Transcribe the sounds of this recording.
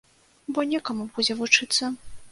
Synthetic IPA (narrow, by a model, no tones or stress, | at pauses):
bɔnʲɛkɐmubud͡zʲɛvut͡ʂɨt̪sːɐ